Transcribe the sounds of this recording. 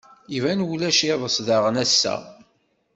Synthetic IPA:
ivænwulæʃiðˤəsðɑʁənæsːæ̰

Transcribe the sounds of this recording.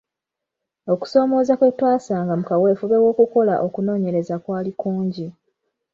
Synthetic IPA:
o̞ku̥so̞ːmo̞ːzakwetːwaːsaːŋɡamukawe̞ːfuβe̞wo̞ːkuko̞la̰ʔo̞kuno̞ːɲe̞ɾe̞zakwaːlikuːɲɟi

